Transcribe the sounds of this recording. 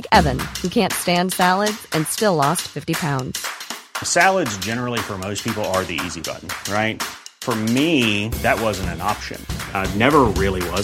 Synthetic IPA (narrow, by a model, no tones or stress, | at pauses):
kɛvɨ̃nhʉkʰæ̃ntstæ̃nd̥sælˠədz̥ɨ̃nstɪlˠɔstfɪftipʰãʊ̃ndz̥sælˠədzd͡ʒɛnə˞l̩ˠifə˞moʊspʰipl̩ˠə˞ðiḭzibʌ̰ʔn̩ɹaɪt̚fə˞miðɨt̚wʌzɨ̃n̩tɨ̃nɑpʃɨ̰̃nnɛvə˞ɹɪlˠiwʌ